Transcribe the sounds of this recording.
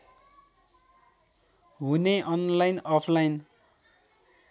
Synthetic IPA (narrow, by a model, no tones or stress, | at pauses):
ɦuneʔʌnlajnʌpʰlajn